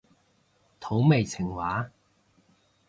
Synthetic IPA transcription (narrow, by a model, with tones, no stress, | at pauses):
t̪ʰo˨˥wme˨˩jt͡sʰɪ˨˩ŋwaː˨˥